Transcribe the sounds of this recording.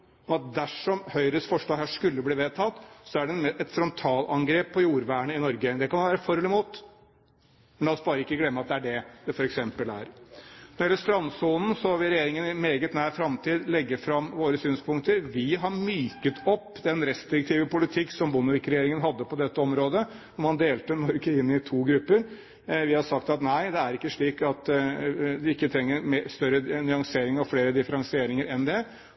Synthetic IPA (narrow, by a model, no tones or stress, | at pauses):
ɔmɑt̪̚d̪æʂɔmhœʏɾəsfɔʂɭɑːɡɦæːʂkʉlːəbliːʋeːt̪ʰɑt̪ːsɔæɖɛɛt̪fɾɔnt̪ʰɑːlɑŋɡɾeːpʰːɔjuːɾʋæːɳəɪnɔɾɡəd̪ɛkɑnɑnʋæːɾəfɔɾhɔlɪmuːt̪ | mɛnɛɔsbɑːɾəɪkːəɡlɛmːəɑt̪̚d̪ɛæɖɛd̪̥ɛfɔɾɛksɛmpəlæ̰ːɾnɔɾjɛləʂt̪ɾɑnːsuːnn̩sɔʋɪɾɛjeːɾɪŋənɪmeːɡət̪næːɾfɾɑmt̪ʰiːd̪lɛɡːəfɾɑmːʋoːɾəsyːnspʰʊŋ̚t̪əɾʋɪɦɑɾmyːkət̪ʰɔpːd̪ɛnɾɛst̪ɾɪk̚t̪ʰiːʋəpʊlɪt̪ʰɪkːsɔmbʊnəʋɪkːɾɛjeːɾɪŋənɦɑd̪ːəpɔd̪ɛt̪ːəɔmɾoːd̪ə | ɔmɑnd̪eːlt̪ənɔɾɡəɪnːɪt̪ʰuːɡɾʉpːəɾ | ʋɪhɑʂɑk̚t̪ɑt̪næɪd̪ɛæɾɪkːəʂɭiːkɑt̪ | d̪ɪɪkːət̪ʰɾɛŋːəɾmːst̪œɾːənʏɑŋseːɾɪŋɔfleːɾəd̪ɪfəɾɑŋsɪeːɾɪŋəɾɛnd̪ɛ